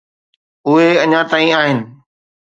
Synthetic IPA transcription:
ʊɦeɐɲãːt̪aːĩaːɦɪnɪ̆

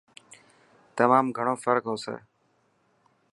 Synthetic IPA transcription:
t̪əmaːmɡʱəɳ̃oːfəɾkɦoːsḛː

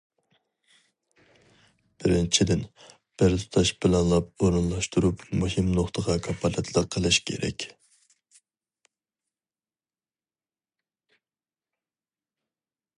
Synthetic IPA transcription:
b̥ɪɾɪnt͡ʃʰid̪ɪn | b̥ɪɾt̪ʰu̥t̪ʰɑʃbɪlɛnlˠɑpoɾɨnlˠɑʃt̪uɾupmuɦimnoχt̪ʰəʁɑkʰɑpʰɑlɛt̪ʰlˠəqʰːəlˠɨʃkʲʰḛɾɛ̰kʲ

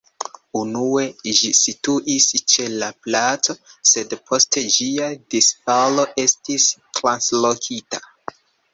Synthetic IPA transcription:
unue̞d͡ʒisituʔist͡ʃe̞laplat͡so̞se̞dpʰo̞ste̞d͡ʒiadisfalo̞ʔe̞stistɾanslokʰita

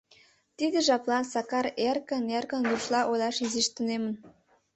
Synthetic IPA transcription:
t̪id̪əʒɑplɑnsɑkɑɾerkə̆nerkə̆nɡ̪uʃlɑʔojlɑʃiziʃt̪ənemə̆n

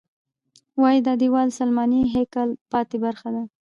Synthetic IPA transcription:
wɑjid̪ad̪iwɑlsalmɑniɦekɑlpɑt̪ebaɾxad̪a

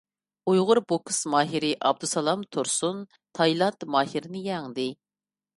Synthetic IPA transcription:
ujʁʊɾbokʰɨ̥smɑːɦiɾɪʔɑb̚d̪usɑlˠɑmt̪ʰʊɾsun | t̪ʰɑjlˠɑnt̪mɑːhiɾnɪjɛŋd̪ɪ

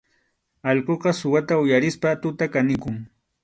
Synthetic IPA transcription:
ɑʎqoqɑsʊwat̪aʊjaɾɪspat̪ʊt̪akanɪkʊŋ

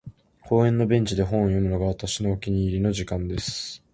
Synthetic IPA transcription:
ko̞ːẽ̞nːo̞bẽ̞ɲ̟t͡ɕid̪e̞ɦõ̞ɰ̃jo̞mɯ̟no̞ɡaβat̪aɕino̞ːkʲiɲ̟iːɾʲino̞ʑikãnd̪e̞sɨ̥

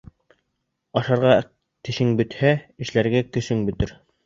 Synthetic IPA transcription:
ɑʃɑɾʁɑ | t̪ɘ̆ʃɘŋbɵ̆t̪hæɘ̆ʃlæɾɡækɵ̆sɵŋbɵ̆t̪ɘɾ

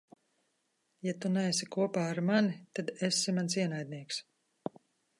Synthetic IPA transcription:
jat̪unɛesikuɔpaːɾmanit̪ad̪esːimansiɛnajd̪̚ʲniɛks

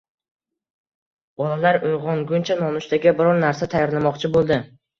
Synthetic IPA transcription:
bɒlalaɾʊjʁɒŋɡʊnt͡ʃʰanɒnʊʃt̪aɡʲɪbɪɾɒɾnaɾsat̪ʰajɒɾlamɒqt͡ʃʰɪbolˠd̪ɪ

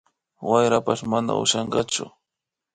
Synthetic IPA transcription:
wajɾapaʃmana̰ʊ̰ʃɑɴɢɑt͡ʃʊ̰

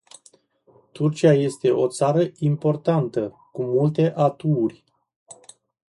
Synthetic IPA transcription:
t̪urt͡ʃiaje̞st̪e̞ʔo̞t̪saɾəimpo̞rt̪ant̪ə | kumult̪e̞ʔat̪uːrʲ

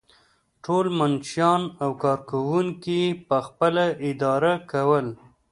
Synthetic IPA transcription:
ʈolmanʃjɑnawkɑɾkawuŋkipəxpəlaɪd̪ɑɾakawəl

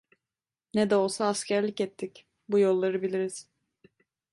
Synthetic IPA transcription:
nɛd̪ɛo̞lˠsaːscʲʰæɾlʲicɛt̪ʰːic | bujo̞lˠːaɾɯbilʲiɾiz̥

